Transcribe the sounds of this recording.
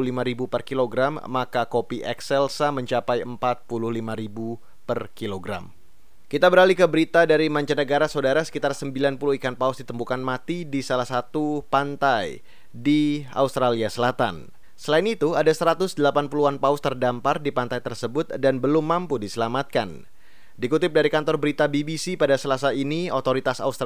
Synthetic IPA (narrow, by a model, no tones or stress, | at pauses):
limaɾibupərkiloɡɾamːakakopiʔɛksɛlsaməɲt͡ʃapajəmpat̪̚pulʊhlimaɾibu | pərkiloɡɾa̰m | kit̪abəɾalikəbəɾit̪adaɾimaɲt͡ʃanəɡaɾasodaɾasə̥kit̪arsəmbilanpuluhikanpausdit̪əmbukanmat̪idisalahsat̪upant̪aj | dia̰ust̪ɾaliasəlat̪a̰n | səlaɪnit̪uadasəɾat̪ʊsdəlapanpuluanpaʊst̪ərdampardipant̪ajt̪ərsəbʊt̪̚danbəlʊmːampudisəlamat̪̚kan | dikut̪ɪp̚daɾikant̪ɔrbəɾit̪abibisipadasəlasainiot̪oɾit̪asa̰ust̪